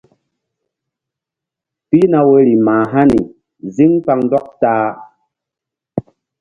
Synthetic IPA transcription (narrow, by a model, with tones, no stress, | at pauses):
pi˦na˨we˨˦ɾi˨maː˨ɦa˦nḭ˨ | zi˦ŋpa˧ŋndɔ˦k̚taː˦